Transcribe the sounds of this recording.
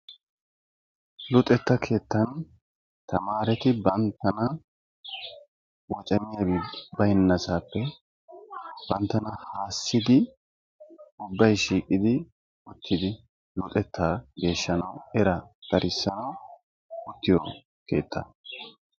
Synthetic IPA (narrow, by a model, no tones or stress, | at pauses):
lʊt̪ʼɛt̪ːɐkʰe̞ːt̪ːɐn | t̪ɐmaːɾɛt̪ɪbɐnt̪ːɐnɐ | wɔt͡ʃʼɐmɪjɐbbɐjɪnːɐsaːpːɛ | b̥ɐnt̪ːɐnɐhaːsːɪd̪ɪ | ʊbːɐjʃiːkʼɪd̪ɪ | ʊt̪ʰːɪd̪ɪ | lʊt̪ʼɛt̪ːaːɡe̞ːʃːɐnɐwɛɾɐɡ̥ɐɾʔɪsːɐnɐw | ʊt̪ːɪjo | keːt̪ːɐ̰